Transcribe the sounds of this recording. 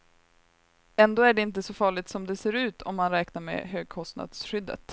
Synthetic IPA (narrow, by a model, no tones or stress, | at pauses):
ɛnd̪oːæɖɛɪnt̪̬əsɔfɑːɭɪt̪sɔmd̪ɛseːɾʉ̟ːt̪ʰɔmːanɾɛːknaɾmɛ̰ɦøːɡ̚kʰɔst̪na̰d̪sɧʏd̪ːə̰t̪